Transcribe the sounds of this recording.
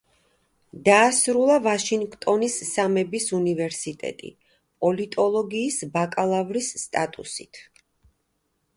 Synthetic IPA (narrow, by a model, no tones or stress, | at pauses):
d̪aːsɾulˠavaʃiŋɡkʼt̪ʼɔnisːamɛbisunivɛɾsit̪ʼɛ̰t̪ʼḭ | pʼɔlit̪ʼɔlˠɔɡiːsbakʼalˠavɾisːt̪ʼat̪ʼṵsḭt̪ʰ